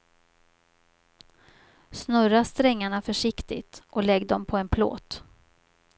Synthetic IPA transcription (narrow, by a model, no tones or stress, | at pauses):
snɵɾast̪ɾɛŋːaɳafœʂɪkt̪ɪ̰t̪ʔɔlɛɡːd̪ɔmpʰɔɛnpʰlo̰ːt̪